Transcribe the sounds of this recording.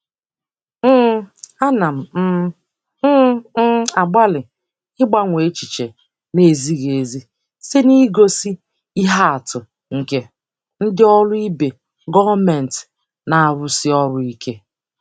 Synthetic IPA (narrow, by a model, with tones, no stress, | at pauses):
a˦na˨m̩˨˦ | a˨ɡ͡ba˦lɪ˨ | ɪ˦ɡ͡ba˦ŋʷe˨˦t͡ʃi˨t͡ʃe˨ | ne˨zi˦ɣe˨zi˦ | se˦ni˦ɡo˦si˦ | i˦ɦa˦a˨tʊ˨ | ŋ̩˨ke˦ | n̩˦dɪ˦ɔ˦lʊ˦i˦be˨ | ɡɔ˦me˨n˨t | na˨a˨ɾʊ˦sɪ˦ɔ˦ɾʊ˦i˦ke˦